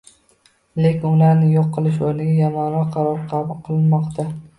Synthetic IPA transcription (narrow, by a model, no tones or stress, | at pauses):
lekʲɪnʊlaɾnɪjoqːɨlˠɪʃ̬oɾnɪɡʲajamɒnɾɒqqʰːɑɾɒɾqʰɑbʊlˠqʰɨlˠɪnmɒqt̪ʰa